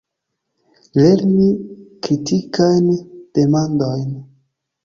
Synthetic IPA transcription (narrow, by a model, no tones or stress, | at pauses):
le̞ɾnikɾitikajnd̥e̞mandojn